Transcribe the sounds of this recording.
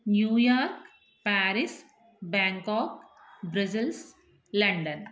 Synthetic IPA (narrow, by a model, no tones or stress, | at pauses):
njuːjaːɾk | pæːɾis | bãːŋkɔːk | bɾɐsɪls | lɐ̃ɳɖən